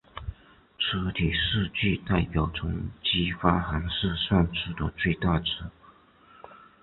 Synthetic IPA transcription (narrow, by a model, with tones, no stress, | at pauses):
ʈ͡ʂ̩ʰ˥t̪ʰi˨˩ʂɻ̩˥˧t͡ɕy˥˧t̪a˥˩ɪpjɑ˨˩ʊt͡sʰʊ˧˥ŋt͡ɕi˥fa˥xa˧˥nʂɻ̩˥˧swa˥˧nʈ͡ʂ̩ʰ˥˩d̪ə˨˩t͡swe˥˧ɪt̪a˥˩ʈ͡ʂ̩ʰ˧˥